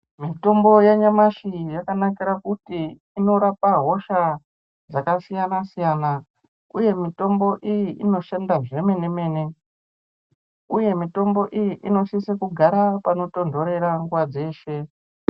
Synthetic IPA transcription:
mito̞mbo̞jaɲamaʃijakanakiɾakutiː | no̞ɾapaɦo̞ʃa | d͡zakasijanasijana | uje̞mito̞mbo̞ʔijiʔino̞ʃandaʐe̞me̞ne̞me̞ːne̞ | uje̞mito̞mbo̞ʔijiʔino̞sisekuɡʱaɾapano̞to̞ndo̞ɾe̞ɾaŋɡwad͡ze̞ːʃe̞

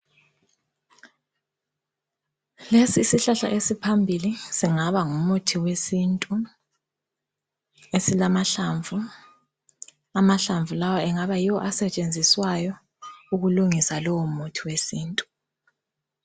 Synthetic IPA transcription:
lesiːsiɬaɬa̰ʔesipʰambʱilisiŋaβaŋumutʰiwesintʼu | esilamaɬaɱvʱu | amaɬaɱvulawaɛŋaβajiwɔʔasɛt͡ʃʼend͡zʱiswajɔ | uɣuluŋisalɔwumutʰiwesiːntʼu̥

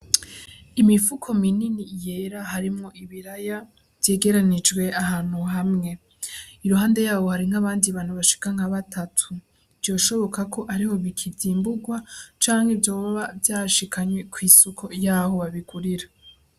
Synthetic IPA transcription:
imifukʰo̞mininijeɾahaɾimŋo̞ʔiβiɾaja | vje̞ːɡe̞ɾanid͡ʒɡwe̞aɦaːn̥huɦamŋe̞ | iɾuɦaːnde̞jaːβo̞haɾiŋ̥aβaːndiβaːn̥huβaʃi̥kaŋaβatʰatʰu | vjo̞ːʃo̞βo̞kakʰo̞ʔaɾiho̞βikʰivziːmbuɡwat͡ʃaːŋhe̞vjo̞ːβaβavjaːʃikʰaɲwe̞kʰwiːsukʰo̞jaːho̞βaβiɡuɾiɾa

